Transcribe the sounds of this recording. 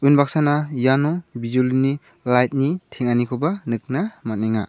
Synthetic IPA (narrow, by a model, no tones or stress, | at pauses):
ujnbak̚sanajanɔbizulini | lajt̚nitʰeŋanikʰɔbanɯk̚namat̚niŋa